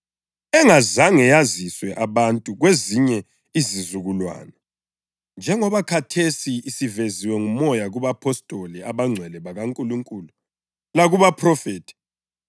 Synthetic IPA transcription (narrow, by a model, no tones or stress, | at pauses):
ɛŋazaŋɛjaziswɛʔaβantʼuɣweziɲɛ | izizuɣulwa̰ːnɛ | nd͡ʒʱɛŋɔβakʰatʰesiːsiveziwɛŋumɔjaɣuβapʰɔstʼoliaβaŋ͡ǀʱwɛlɛβaɣaŋkʼuluŋkʼuːlu | laɣuβapʰrɔfeːtʰi̥